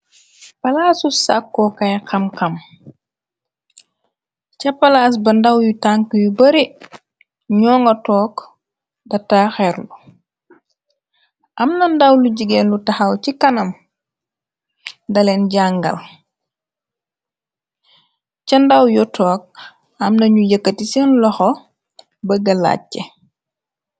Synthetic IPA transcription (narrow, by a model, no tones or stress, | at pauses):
palasusa̰kːɔkajkamkam | t͡ʃapalas̬bandawjutaŋkujubaɾi | ɲɔːŋɡatɔːk | dataxɛɾlu | ʔɐmnɐndɐwluɟiɡɛːnlutɐxawcikɐnɐm | ndɐlɛnɟaŋɡɐ̰l | cɐndawjɔtʰɔːk̚ | ɐmnɐɲujəkːətisɛnlɔxɔ | bɐɡɐla̰ːɛ